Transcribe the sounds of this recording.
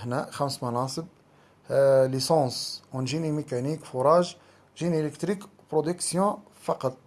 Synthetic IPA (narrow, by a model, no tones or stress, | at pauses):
næxæmsmɑnɑsˤəb̚ | lisɑ̃sunʒinimekænikfoɾˤɑʒ | ʒinieləkt̪ɾik | pɾod̪əksjɔ̃ | fɑqɑt̪ˤ